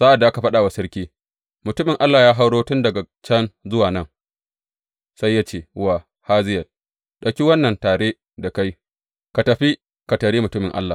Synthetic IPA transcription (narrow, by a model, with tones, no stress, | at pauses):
za˦ʔa˨dːa˨ʔa˦ka˨ɸɐ˦ɗaː˨wa˨sɐ˦ɾkʲiː˦ | mʊ˨tʊ˦mɪ˨ŋʔa˦lːaː˨jaː˦ɦa˦wɽoː˦tʊ˦ndɐ˨ɡa˨ | t͡ʃɐ˦nzʊ˦waː˨nɐ˦ŋ | sa˦jːaː˦t͡ʃeː˦wa˨ | haː˦zɪ˦jɐ˨l | ɗɐ˨kʲi˦wɐ˦nːɐ˨ntaː˨ɽeː˦ | da˨ka˦j | ka˨tɐ˨ɸi˦ | ka˨tɐ˨ɽeː˦mʊ˨tʊ˦mɪ˨ŋʔa̰˦lːaː˨